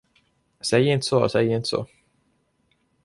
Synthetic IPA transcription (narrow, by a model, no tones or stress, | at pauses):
sɛjːəɪnt̪ə̥sɔsɛjːəɪnt̪ə̥sɔ̰